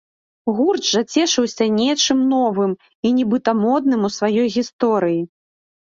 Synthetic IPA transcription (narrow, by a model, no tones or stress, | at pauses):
ɣurʐat͡sʲɛʂɨwsʲɐnʲɛt͡ʂɨmnɔvɨm | inʲibɨt̪ɐmɔd̪nɨmusvajɔjɣʲist̪ɔɾɨji